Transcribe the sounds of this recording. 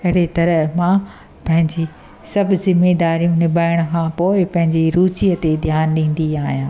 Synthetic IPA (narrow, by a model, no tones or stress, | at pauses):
ɐɦɪɽet̪ɐɾəɦmã | pɐ̃ɦɪ̃ɲd͡ʑi | sɐbʱzɪmeːd̪aːɾijũnɪbaːɪɽ̃əkʰãpoːɪpɐ̃ɦɪ̃ɲd͡ʑiɾuːt͡ɕiːət̪ed̪ʱjaːnɗĩːn̆d̪iaːɦijãː